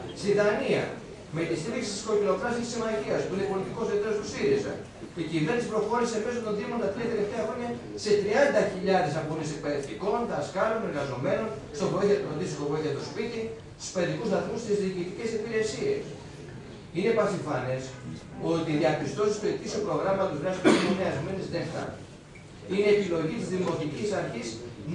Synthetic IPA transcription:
st̪iðɐniɐ̰ | met̪ist̪iɾiksi̥st̪isko̞cilo̞pɾɐsesimɐʝiɐspuinepo̞lit̪iko̞sðet̪eɾost̪usiɾizɐ̰ | ceciveɾnispɾo̞xo̞ɾise̞me̞sot̪o̞nðimo̞nt̪ɐt̪ɾiɐt̪e̞le̞ft̪eɐxɾo̞ɲɐ | se̞t̪ɾiɐnd̪ɐçiʎɐðe̞s̬ɐponise̞k̚pe̞ðeft̪iko̞nt̪ɐskɐɾo̞ne̞ɾɣɐzo̞me̞no̞n | st̪o̞voiθiɐt̪oond̪isitovoiθjɐt̪ospit̪i | t̪i̥speðikusðɐθmust̪izðiːcit̪ice̞sipiɾe̞sie̞̰s | inepɐsiɱfɐnes | o̞t̪iðiɐpist̪o̞sist̪oe̞t̪isiopɾo̞ɣɾɐmɐt̪ozðɾɐsi̥kiineɐzme̞nezðext̪ɐ̰ | ine̞ːpilo̞ʝit̪izðimo̞t̪icisɐɾçis

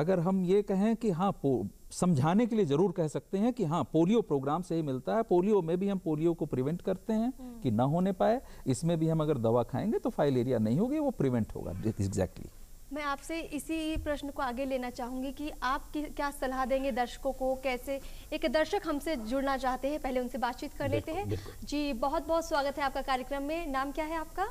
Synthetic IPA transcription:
ɐɡəɾɦɐmjekɛɦẽkiɦãːposɐ̃md͡ʒʱaːnekeliezɐɾuːɾkɛɦsɐk̚t̪eɦɛ̃kiɦãːpoːlijopɾoːɡɾaːmseɦimɪlt̪aɦɛpoːlijomẽbʱiɦɐmpoːlijokopɾɪʋɛ̃ɳʈkɐɾt̪eɦɛ̃kinɐɦoːnepaːeɪsmẽbʱiɦɐmɐɡəɾd̪ɐʋakʰa̰ːẽːŋɡet̪ofʰaːɪleːɾijanɐɦĩɦoːɡiʋopɾɪʋɛ̃ɳʈɦo̰ːɡa̰ːɪɡzɛ̰ːk̚ʈlḭ | mɛ̃aːpseʔɪsipɾɐʃnəkoaːɡeleːnat͡ʃaːɦũːŋɡikiʔaːp̚kikjaːsɐlɦad̪ẽːŋɡed̪ɐɾʃə̥kõkokɛːseeːkd̪ɐɾʃəkɦɐmsed͡ʒʊɽnat͡ʃaːɦt̪eɦɛ̃pɛɦleʊnsebaːt̪̚t͡ʃiːt̪kɐɾleːt̪eɦɛ̃bɪlkʊd͡ʒiːbɔɦʊt̪̚bɔɦɔt̪swaːɡət̪ɦɛaːp̚kakaːɾjəkɾəmːẽnaːmkjaːɦɛaːp̚ka

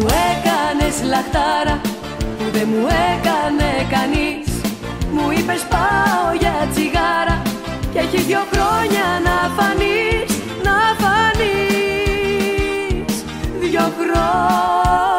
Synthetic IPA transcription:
uekaneslaθaɾa | uðemuekanekanis | muipespaojat͡ʃiɣaɾa | keçiðjokɾoɲanafanis | nafani | s | ðjokɾo

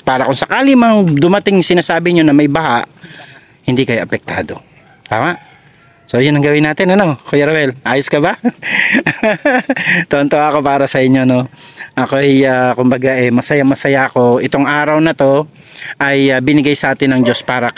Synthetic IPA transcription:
paːɾɐkʊŋsɐkaːlimɐŋd̪ʊmɐt̪ɪŋsɪnaːsaːbɪɲonɐmɐjbɐhaʔ | hɪnd̪ikɐjoʔɐpɛk̚t̪aːd̪o̞̰ | t̪aːmaʔ | so̞jʊnːɐŋɡɐwɪnaːt̪ɪnɐno̞kojɐɾɐwɛlʔaːjoskɐba | t̪oʔɐnt̪oaʔɐko̞paːɾɐsɐʔɪɲːono̞ʔɐko̞ʔɐjaːkʊmbɐɡaʔɛmɐsɐjamɐsɐjaʔɐko̞ʔɪt̪o̞ŋʔaːɾɐwnɐt̪o̞ | ʔɐjabɪnɪɡajsɐʔaːt̪ɪnːɐŋd͡ʒo̞spaːɾɐ

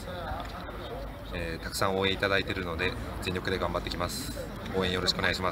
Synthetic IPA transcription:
eːt̪akɯ̟̥sãɰ̃o̞ːẽit̪ad̪ait̪e̞ɾɯ̟no̞d̪e̞ | d͡zẽ̞ɲʲokɯ̟d̪e̞ɡãmbat̪ːe̞kʲimasɨ̥ | o̞ːẽjoɾo̞ɕi̥kɯo̞neɡaɕima

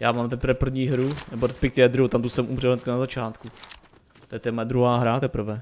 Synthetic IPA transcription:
jaːmaːmt̪ɛpɾ̩vɛpr̩vɲiːɦɾunɛboɾɛspɛk̚t̪ɪvɛd̪ɾuɦot̪amt̪usɛmʔumrɛlnɛt̪kanazat͡ʃaːt̪ku | t̪ojɛt̪ɛɛmojɛd̪ɾuɦaːɦɾat̪ɛpr̩vɛ

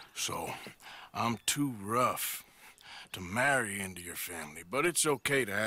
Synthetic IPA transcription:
so̰ʊʔãɪ̃mtʰuɹʌf | tʰəmæɹiɪ̃ntʉjə˞fæ̃mlibʌɾɨtsoʊkʰeɪɾɨ

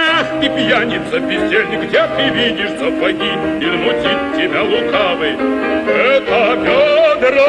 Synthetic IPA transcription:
ipjanʲɪt̪səbʲɪsʲelʲnʲɪɡdʲet̪ɨvʲidʲɪʂsɐpɐɡʲiizmʊtʲitʲtʲːɪbʲalˠʊkavɨjɛt̪əbʲod̪ɾə

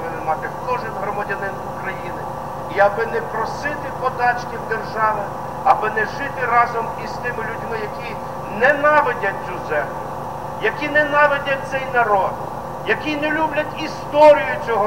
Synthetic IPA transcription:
ʋɪnɪmɑt̪ɪkɔʒɪnɦɾɔmɐdʲɐnɪnʊkɾɐjinɪ | iɐbɪnɛpɾɔsɪt̪ɪpɔt̪ɑt͡ʃkʲɪwd̪erʒɑʋɪ | ɐbɪnɛʒɪt̪ɪɾɑzɔmist̪ɪmɪlʲudʲmɪjɐkʲi | nɛnɑʋedʲɐt̚ʲt͡sʲuzɛmlʲʊ | jɐkʲinɛnɑʋedʲɐt̪sɛjnɐɾɔd̪ | jɐkʲinɛlʲublʲɐtʲist̪ɔɾʲijʊt͡sʲɔɦɔ

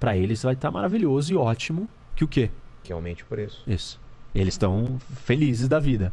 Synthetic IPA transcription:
pɾɐelɪsvajt̪amʔaɾaviʎozʊɪɔt͡ʃimʊ | kɪʊkekɪa̰wmẽt͡ʃɪʊ̥pʊɾisʊ̥isʊ̥elɪst̪ɐ̃w̃felizɪzd̪ɐvid̪ɐ

